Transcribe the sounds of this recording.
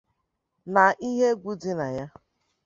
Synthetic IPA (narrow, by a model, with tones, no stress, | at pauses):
na˨ʔi˦ɦe˦ɡʷu˦di˦na˨ja˦